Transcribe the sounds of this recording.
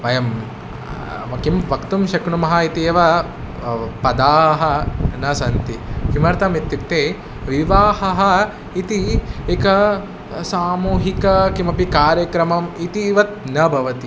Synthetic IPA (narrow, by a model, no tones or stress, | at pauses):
ʋɐjɐm | mɐkimbɐkt̪umʃɐkɳumɐɦɐit̪iɐʋɐ | pɐd̪aːɦɐnɐsɐnt̪ikimɐɾt̪ɐmit̪ːip̚t̪eː | ʋiʋaːhɐɦɐ | it̪iekɐ | saːmuːɦikɐkimɐpikaːɾjɐkɾɐmɐmit̪iʋɐt̪̚nɐbʱɐʋɐt̪i